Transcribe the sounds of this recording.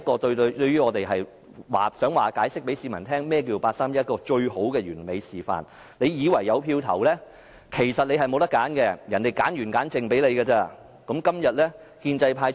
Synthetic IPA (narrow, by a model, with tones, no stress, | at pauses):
kɔː˧t̪ɵ˧t̪ɵ˧ɥyː˥ŋɔː˨˧t̪e˨jɦɐ˨j | wa̰ː˨sœː˨˥ŋwaː˨kaː˨˥jsɪ˥k̚pe˨˥siː˨˧mɐ˨˩nt̪ʰɛː˥ŋmɛː˥k̬iː˧wpaː˧t̚saː˥mjɐ˥t̚kɔː˧t͡ʃɵ˧ɥho˨˥wkɛː˧ɥyː˨˩nme˨˧jsiː˨˩fa̰ː˨n | le˨˧jjiː˨˧wɐ˨˩jːɐ˨˧wpʰiː˧wt̪ʰɐ̰˨˩wlɛː˥ | kʰe˨˩jsɐ˨t̚le˨˧jɦɐ˨jmo˨˧wt̪ɐ˥kːaː˨˥nkɛ˧jɐ˨˩nt̪e˨jkaː˨˥njyː˨˩nkaː˨˥nt͡sɪ˨˧ŋpe˨˥jle˨˧jɡɛ˧t͡sɛː˧ | kɐ˨˥mkɐ˥mjɐ˨t̚lɛː˥ | kiː˧nt͡sɐ˧jpʰaː˧j